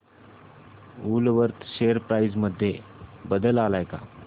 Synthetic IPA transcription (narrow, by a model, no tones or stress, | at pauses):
ulʋəɾt̪ʰɕeəɾpɾaid͡zməd̪ʱːjebəd̪əlalajka̰